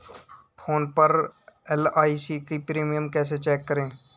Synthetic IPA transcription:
pʰoːnpəɾɛlaːisikipɾiːmijəmkɛːs̬et͡ʃɛːkːəɾẽː

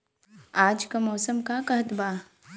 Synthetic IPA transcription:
aːd͡ʒkamɔːsəmkakɐɦt̪baː

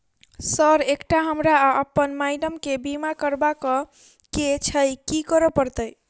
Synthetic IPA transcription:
səɾekʈaɦəmɾaəpːənmajɖəmkebimakəɾbakɔ | ket͡ʃʰəjkikəɾəpəɾt̪əj

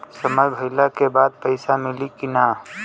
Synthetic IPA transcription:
səməjbʱɐɪlakebaːd̪̚pəɪsamɪlikɪnaː

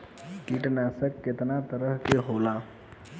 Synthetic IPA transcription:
kiʈnaːsəkːɪt̪nat̪əɾəɦkeɦola

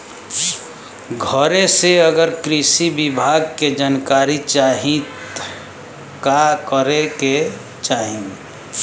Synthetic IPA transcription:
ɡʱəɾeseəɡəɾkɾisibibʱaɡ̚ked͡ʒankaɾit͡ʃaɦĩt | kakəɾeke | t͡ʃaɦĩ

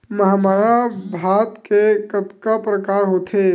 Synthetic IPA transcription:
məɦamaɾabʱat̪kekət̪kapɾəkaːɾɦot̪ʰe

